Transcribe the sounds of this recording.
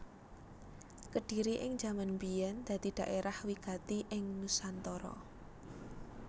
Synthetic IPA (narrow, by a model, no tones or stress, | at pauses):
kəɖ̥i̤ɾiʔɪŋd͡ʒamanmbijɛnd̪̥ä̤d̪̥i̤d̪̥a̤ʔeɾʔahwikat̪iʔɪŋnusant̪ɔɾɔ̰